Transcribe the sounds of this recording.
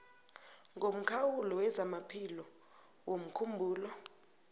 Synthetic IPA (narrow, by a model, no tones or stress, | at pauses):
ŋʱom̩kʰawulɔwɛzamapʰilɔ | wom̩kʰumbʱuːlɔ